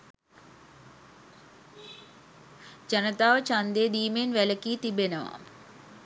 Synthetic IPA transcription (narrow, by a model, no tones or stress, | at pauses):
d͡ʒɐnət̪aːʋt͡ɕãːnd̪eɗ̪iːmenʋɛləkit̪ibenɐʋa̰